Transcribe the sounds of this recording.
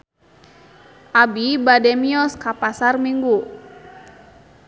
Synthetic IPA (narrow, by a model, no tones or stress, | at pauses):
ʔabibadɛmiɔskapasarmiŋɡu